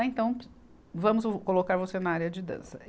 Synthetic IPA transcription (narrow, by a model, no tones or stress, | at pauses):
ẽt̪ɐ̃w̃ | vɐ̃mʊskolokaɾvosenɐaɾjɐd͡ʒɪd̪ɐ̰̃sɐ